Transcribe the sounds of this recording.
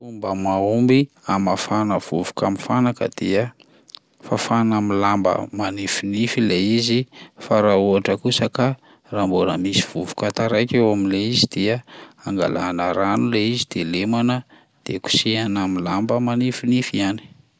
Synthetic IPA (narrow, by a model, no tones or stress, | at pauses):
umbəmaumbi | amafanəv̥ṵvu̥kamifanakə̰d̪̥eə | fafanamilambə̰manifinifileizifaɾauaʈ͡ʂəkusəka | rambonə̰misiv̥uvukat̪aɾajkewamileizid̪̥eəaŋɡa̰lanəɾanuleizid̪̥elemanə | d̪̥eku̥sianamilambəmanifinifiani̥